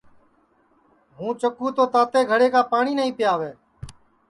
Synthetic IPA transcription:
ɦũːt͡ʃəkuːt̪oːt̪aːt̪eːɡʱəɽeːkaːpaːɳiːnəĩːpɪjaːʋeː

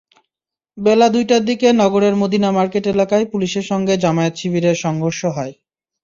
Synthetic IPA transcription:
belad̪ujʈaɾd̪ikenɔɡoɾeɾmod̪inamaɾkeʈelakaepuliʃeɾʃɔŋɡed͡ʑamaet̪ʃibʱiɾeɾʃɔŋɡʱoɾʃoɦɔe

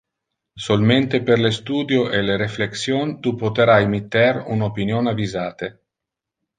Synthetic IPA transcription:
solment̪eperlest̪uːd̪joʔeleɾefleksjont̪upot̪eɾajemit̪ːɛrunopinjonavizaːt̪e

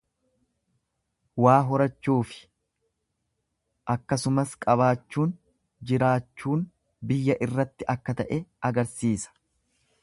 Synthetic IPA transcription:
waːɦɔɾɐt͡ʃːuːfɪ̥ | ʔɐkːɐsʊmɐskʼɐβaːt͡ʃːuːn | d͡ʒɪɾaːt͡ʃːuːn | bɪjːɐʔɪrːɐt̪ːɪʔɐkːɐt̪ɐʔɛɐɡɐɾsiːsɐ̥

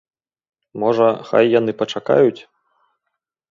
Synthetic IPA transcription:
mɔʐɐxa̰jːanɨpɐt͡ʂaka̰jut͡sʲ

